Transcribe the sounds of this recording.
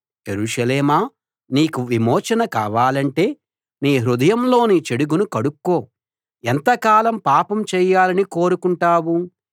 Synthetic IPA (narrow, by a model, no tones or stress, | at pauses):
d͡ʒeɾuːʂɐleːmaː | niːkuʋimɔːt͡ʃɐnɐkaːʋaːlɐɳʈe̞ː | niːɦɾud̪ɐjɐmlo̞ːniːt͡ʃeɽuɡunukɐɽukːo̞ː | ent̪ɐkaːlɐmpaːpɐmt͡ʃɛːjːaːlɐniko̞ːɾukuɳʈaːwu